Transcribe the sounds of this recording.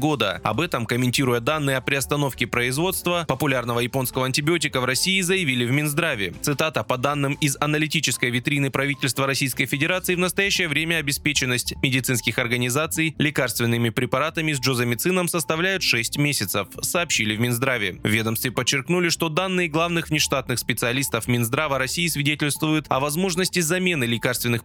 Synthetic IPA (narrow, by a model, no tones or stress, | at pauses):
ɡo̞d̪əɐ̰bɛt̪əmkəmʲɪnʲtʲiɾʊjəd̪anːɨjəɐpɾʲɪɐst̪ɐno̞fkʲɪpɾəɪzvo̞t̪st̪vəpəpʊlʲarnəvəjɪpo̞nskəvəɐnʲtʲɪbʲɪotʲɪkəvrɐsʲijːzəjɪvʲilʲɪvmʲɪnzd̪ɾavʲɪt̪sɨt̪at̪əpɐd̪anːɨmɪzɐnəlʲɪtʲit͡ɕɪskəjvʲɪt̪ɾʲinɨpɾɐvʲitʲɪlʲst̪vəɾɐsʲijskəjfʲɪdʲɪɾat̪sɨɪːvnəst̪ɐjæɕːɪjəvɾʲemʲəɐbʲɪspʲet͡ɕɪnːəsʲtʲmʲɪdʲɪt̪sɨnskʲɪxɐrɡənʲɪzat̪sɨjlʲɪkarst̪vʲɪnːɨmʲɪpɾʲɪpɐɾat̪əmʲɪzʲʐozəmʲɪt̪sɨnəmsəst̪ɐvlʲæjʊt̪ʂɛsʲtʲmʲesʲɪt̪səfsɐːpɕːilʲɪvmʲɪnzd̪ɾavʲɪ̰vʲed̪əmst̪vʲɪpət͡ɕːɪrknulʲɪʂt̪o̞d̪anːɨɪɡlˠavnɨxvnʲɪʂt̪at̪̚nɨxspʲɪt̪sɨɐlʲist̪əfmʲɪnzd̪ɾavəɾɐsʲijːsvʲɪdʲetʲɪlʲst̪vʊjʊt̪ɐvɐzmo̞ʐnəsʲtʲɪzɐmʲe̞nɨlʲɪkarst̪vʲɪnːɨx